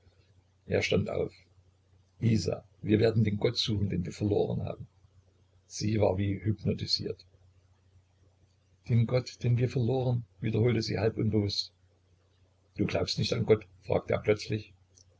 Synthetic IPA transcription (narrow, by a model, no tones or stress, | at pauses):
ʔḛːɐʃtantʔa̰ʊf | ʔiːza̰ | viːɐveːɐdn̩deːnɡɔtz̥uːχn̩deːnviːɐfɛɐlo̰ːʁə̰nha̰ːbm̩ | z̥iːva̰ːɐviːhypnotizḭːɐt | d̥eːnɡɔtd̥eːnviːɐfɛɐloːʁ̞ənviːdɐhoːltəzḭːhalpʔʊnbəvʊst | d̥uːɡlaʊpstnɪçtanɡɔtfʁ̥a̰ːk̚tʰəʔḛːɐplœt͡slɪç